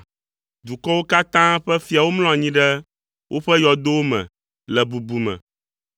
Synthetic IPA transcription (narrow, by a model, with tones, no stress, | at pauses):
d̪u˨kɔ˦wo˦ka˦t̪ã˦ɸɛ˦fi˦a˨wo˦mlɔ̃˦a˨ɲĩ˦ɖɛ˦ | wʔo˦ɸɛ˦jɔ˨d̪o˦wo˦mɛ̰̃˨ | lɛ˨bu˨bu˨mɛ̰̃˨